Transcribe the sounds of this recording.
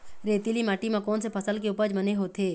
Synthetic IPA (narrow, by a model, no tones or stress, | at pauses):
ɾeːt̪ilimaːʈimãkɔːnsepʰəsəlkeʊːpəd͡ʒbəneɦoːt̪ʰeː